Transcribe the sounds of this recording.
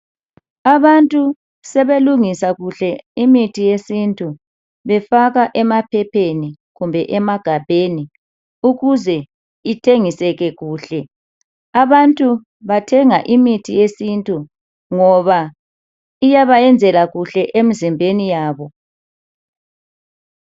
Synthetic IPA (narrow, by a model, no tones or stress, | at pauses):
aβantʼu | sɛβeluŋisaɣuɬɛimitʰijesintʼu | βɛfaɣaʔɛmapʰɛpʰeni | ɣumbʱɛʔɛmaɡ̥ʱab̥ʱeni | uɣuzɛ | itʰeŋisɛɣɛɣuːɬɛ | aβantʼu | βatʰɛŋaʔimitʰijesintʼu | ŋɔβa | ijaβajɛnd͡zʱɛlaɣuɬɛʔemizimbʱenijaːβɔ